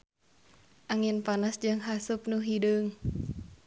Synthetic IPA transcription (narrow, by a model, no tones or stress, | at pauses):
ʔaŋɪnpanasd͡ʒɨŋɦasʊp̚nuɦidəŋ